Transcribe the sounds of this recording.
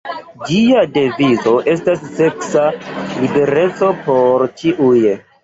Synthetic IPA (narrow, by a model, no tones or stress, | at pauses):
d͡ʒiade̞vizo̞ʔe̞stasːe̞ksalibe̞ɾe̞t͡so̞poɾt͡ʃiʔuje